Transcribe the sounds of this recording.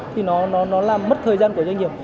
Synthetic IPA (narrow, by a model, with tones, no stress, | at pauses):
t̪ʰi˨˩nɔ˨˦nɔ˨˦nɔ˨˦laː˨˩mmə˦˥t̚t̪ʰəː˨˩jzaː˧nku˧˩əwa˧ŋi˨˩əm̚